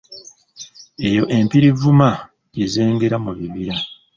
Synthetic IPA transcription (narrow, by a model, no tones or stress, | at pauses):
e̞jo̞ʔe̞mpiɾivuma | ɟeze̞ːŋɡe̞ɾamuβiβiɾa